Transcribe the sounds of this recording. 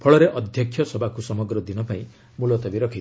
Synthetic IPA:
pʰɔɭɔɾeʔɔd̪ʱjɔkʰːjɔsɔbakusɔmɔɡɾɔd̪inɔpaĩ | mulɔt̪ɔbiɾɔkʰit̪

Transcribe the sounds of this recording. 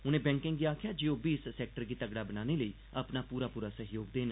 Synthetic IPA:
ʊnẽːbɛ̃ːŋkɪ̃ŋɡiːaːkʰɪjaːd͡ʒioːbiːssɛːk̚ʈəɾɡiːt̪əɡɽaːbənaːneːləiː | əpnaːpuːɾaːpuːɾaːsəɦjoːɡ̚d̪eːn

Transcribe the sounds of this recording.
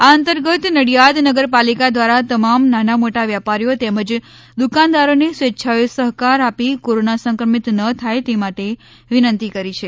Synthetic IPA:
aənt̪əɾɡət̪nəɽijad̪nəɡəɾpalikad̪ʋaɾat̪əmamnanamoʈaʋjapaɾjot̪ɛməd͡ʒ | d̪ukand̪aɾonesʋetːʃʰajsəɦkaɾapikoɾonasə̃ŋkɾəmit̪nət̪ʰajt̪emaʈe | ʋinənt̪ikəɾit͡ʃʰe

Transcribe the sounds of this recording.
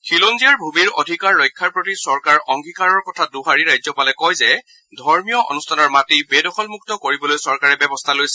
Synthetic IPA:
kʰilonzijaɹbʱumiɹo̰dʱikaɹːojkʰːaɹpɹotisɔɹkaɹɔŋɡʱikaɹɔɹkɔtʰaduɦaɹiɹajzɔpalɛkɔjzɛ | dʱɔɹmijɔʔɔ̰nustʰanɔɹmatibedɔxɔlmuk̚tɔkoɹibɔlojsɔɹkaɹɛbɛbɔstʰalojsɛ

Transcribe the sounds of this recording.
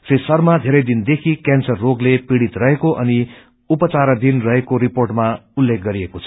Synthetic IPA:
sesʌrmad̪ʱeɾʌjd̪ind̪ekʰikansʌrːoɡlepiɽit̪rʌɦekoʔʌni | upʌt͡saɾʌd̪inrʌɦekoɾiporʈmaulːek̚ʰɡʌɾiekot͡sʰʌ̥

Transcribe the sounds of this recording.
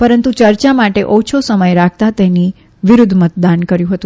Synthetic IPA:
pəɾənt̪ut͡ʃəɾt͡ʃamaʈeʔɔt͡ʃʰosəməjɾak̚ʰt̪at̪eni | ʋɪɾud̪ʱmət̪̚d̪ankəɾjũɦət̪ũ

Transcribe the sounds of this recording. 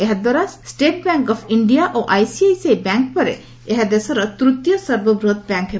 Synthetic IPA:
eɦad̪waɾasʈeʈ̚baŋkɔpʰiɳɖijaʔoʔajsiajsejbɛŋk̚pɔɾḛ | eɦad̪esɔɾɔt̪ɾut̪jɔsəɾbɔbɾot̪̚bɛŋkɦe

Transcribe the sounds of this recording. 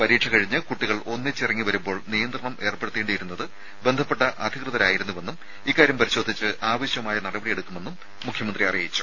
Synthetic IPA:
pɐɾiːʈʂʰɐkɐɻiɲːɨkuʈːiɣɐɭo̞nːit͡ɕːirɐŋːiʋɐɾumbo̞ːɭnijɐnd̪rɐɳɐmʔe̞ːrpe̞ɽut̪ːeːɳɖɨjiɾunːɐðɨ | be̞nd̪ʱɐpːe̞ʈːɐʔɐd̪ʱikrɨðɐɾaːjiɾunːuʋe̞nːum | ikːaːɾjɐmpɐɾiɕo̞ːd̪ʱit͡ɕːɨʔaːʋɐɕjɐmaːjɐnɐɽɐbɐɽije̞ɽukːume̞nːumː | ukʰjɐmɐnd̪riɐrijɐjit͡ɕːu̥

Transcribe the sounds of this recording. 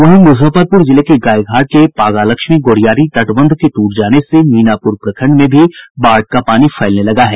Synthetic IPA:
ʋɐɦĩmʊzʱəpəd̪̚pʊɾd͡ʒɪlekeɡaːjɡʱaːɾʈ̚kepaːɡaːlɐkʃmiɡoːɽijaːɾit̪ɐʈʋə̃nd̪ʱket̪uːʈd͡ʒaːnesemiːnaːpʊɾpɾɐkʰə̃ɳɖmẽbʱibaːɾʈ̚kapaːnifʰɐɪlnelɐɡaɦɛː

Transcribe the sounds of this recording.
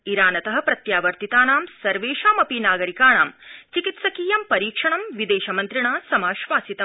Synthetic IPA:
iɾaːnɐt̪ɐɦɐ̆pɾɐt̪jaːʋɐɾt̪it̪aːnaːmsɐɾʋeːʃaːmɐpinaːɡɐɾikaːɳaːmt͡ʃikit̪sɐkiːjɐmpɐɾiːkʂɐɳɐmʋid̪eːʃɐmɐnt̪ɾiɳaːsɐmaːʃʋaːsit̪ɐ

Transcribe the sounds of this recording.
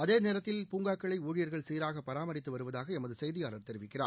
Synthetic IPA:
ɐðeːneːɾɐt̪ːɪlpuːŋɡaːkːɐɭɐɪuːɻɪjɐɾɣɐɭsiːɾaːɣɐpːɐɾaːmɐɾɪt̪ːɯʋɐɾɯʋɐðaːɣɐɛmɐðɯsɛjðɪjaːlɐɾt̪ɛɾɪʋɪkːɪraː

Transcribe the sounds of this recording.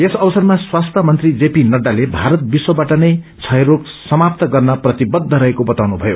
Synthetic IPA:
esʌbʌsʌrmaswast̪ʰʌmʌnt̪rid͡zepinʌɖalebʱaɾʌt̪̚biswʌbaʈʌnʌj | t͡sʰʌjɾok | sʌmap̚t̪ʌɡʌrnʌprʌt̪ibʌd̪ʱːʌɾʌɦekobʌt̪awnubʱʌjo

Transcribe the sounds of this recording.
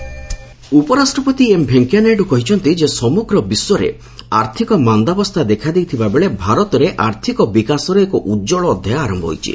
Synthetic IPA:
upɔɾasʈɾɔpɔt̪iembʱeŋkjaneɖukɔɦit͡ʃʰɔnt̪id͡ʒesɔmuɡɾɔbiswɔɾḛ | a̰ɾt̪ʰikɔmand̪abɔst̪ʰad̪ekʰad̪ejt̪ʰibabeɭebʱaɾɔt̪ɔɾeʔaɾt̪ʰikɔbikasɔɾɔekɔʔud͡ʒɔɭɔːd̪ʱjajaaɾɔmbɔ̰ɦo̰jt͡ʃʰḭ

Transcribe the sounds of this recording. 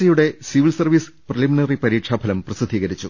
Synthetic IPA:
ɐjuɽe̞siʋilsɐrʋisprɐliminɐripɐɾiːʈʂaːbʱɐlɐmprɐsid̪ʱiːɣɐɾit͡ɕːu

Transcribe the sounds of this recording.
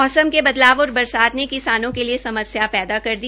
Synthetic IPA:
ɔːsəmkebɐd̪laːʋɔːɾbɐɾsaːt̪nekɪsaːnõkeliesɐməsjapɛːd̪akɐɾd̪i

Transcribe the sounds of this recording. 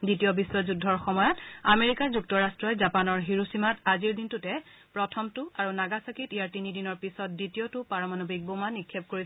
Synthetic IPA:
ditijɔbiswɔzudʱɔɹxɔmɔjɔtameɹikaɹzuk̚tɔɹastɹɔjzapanɔɹɦiɹusimataziɹdintʊtɛ | pɹɔtʰɔmtʊaɹunaɡasakitijaɹtinidinɔɹpisɔt̚ditijotʊpaɹɔmanobik̚bomanikʰːep̚koɹis

